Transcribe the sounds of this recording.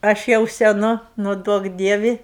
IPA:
ˈɐʃ jɛʊ sʲɛˈnʊ ˈnʊ ˈduɔk ˈdʲiɛʋʲɪ

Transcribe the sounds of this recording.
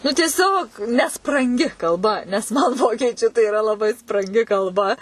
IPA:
nʊ tʲiɛˈsʲoːk nʲɛsprɐŋʲˈɡʲɪ kɐlˠˈbɐ nʲɛs mɐn ˈʋoːkʲiɛt͡ʃʲʊ tɐɪ iːˈrɐ lˠɐˈbɐɪ sprɐŋʲˈɡʲɪ kɐlˠˈbɐ

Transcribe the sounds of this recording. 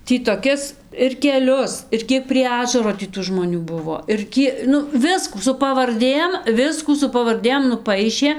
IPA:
ˈtʲiː toːˈkʲɪs ɪr kʲɛˈlʲʊs ɪr ˈkʲiɛk pʲrʲiɛ ˈɑːʒɐroː tʲiː ˈtuː ʒmoːˈnʲuː ˈbʊʋoː ɪr ˈkʲiɛ ˈnʊ ˈʋʲɪskuː sʊ pɐʋɐrʲˈdʲeːm ˈʋʲɪskuː sʊ pɐʋɐrʲˈdʲeːm nʊˈpɐɪʃʲeː

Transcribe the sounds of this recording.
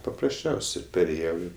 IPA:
pɐprɐsʲˈt͡ʃʲɛʊsʲɪ pʲɛrʲeːˈjɛʊ ˈɪ

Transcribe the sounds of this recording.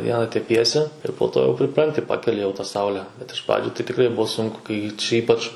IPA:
ˈʋʲiɛnɐ tʲɛˈpʲiɛsʲɪ ɪr poː ˈtoː jɛʊ pʲrʲɪˈprɐnʲtʲɪ ˈpɑːkʲɛlʲɪ jɛʊ tɐ ˈsɐʊlʲɛ bʲɛt ɪʃ ˈprɑːd͡ʒʲʊ tɐɪ tʲɪˈkrɐɪ ˈbuɔ ˈsʊŋkʊ kɐɪ t͡ʃʲɛ ˈiːpɐt͡ʃ

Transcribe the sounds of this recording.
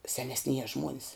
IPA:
sʲɛnʲɛsʲˈnʲiɛjɛ ˈʒmuɔnʲɪs

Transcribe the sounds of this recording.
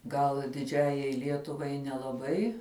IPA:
ɡɐlˠ dʲɪˈd͡ʒʲæːjɛɪ ˈlʲiɛtʊʋɐɪ nʲɛlˠɐˈbɐɪ

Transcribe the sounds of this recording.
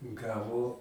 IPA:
ˈɡɑːʋoː

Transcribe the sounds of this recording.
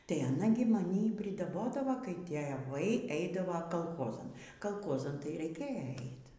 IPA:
tɐɪ ɐˈnɐ ɡʲɪ mɐˈnʲiː ɪ pʲrʲɪdɐˈboːdɐʋoː kɐɪ tʲeːˈʋɐɪ ˈɛɪdɐʋoː kɐlˠˈxoːzɐn kɐlˠˈkoːzɐn tɐɪ rʲɛɪˈkʲeːjɛ ˈɛɪt

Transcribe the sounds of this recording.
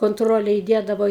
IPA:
koːnˈtroːlʲɛ iːˈdʲiɛdɐʋoː

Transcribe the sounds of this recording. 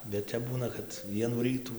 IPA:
bʲɛt ˈtʲɛp ˈbuːnɐ kɐt ˈʋʲiɛnuː ˈrʲiːtuː

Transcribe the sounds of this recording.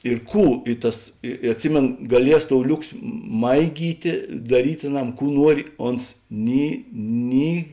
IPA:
ɪr ˈkuː ɪ ˈtɐs ɪ ɪ ɐtʲˈsʲɪmʲeːnoː ɡɐˈlʲiɛs toːʊ ˈlʲʊksʲɪ ˈmɐɪɡʲiːtʲeː dɐˈrʲiːtʲ ɐˈnɐm ˈkuː ˈnuɔrʲɪ ˈoːns ˈnʲɪ ˈnʲɪ

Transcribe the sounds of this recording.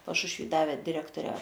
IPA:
pɐʃʊʃʲˈʋʲiː ˈdɑːʋʲɛ dʲɪˈrʲæːktoːrʲɛ

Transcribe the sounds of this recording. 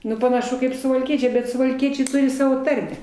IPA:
ˈnʊ pɐnɐˈʃʊ kɐɪp sʊʋɐlʲˈkʲiɛt͡ʃʲɛɪ bʲɛt sʊʋɐlʲˈkʲiɛt͡ʃʲɛɪ ˈtʊrʲɪ ˈsɑːʋoː ˈtɐrʲmʲɛ

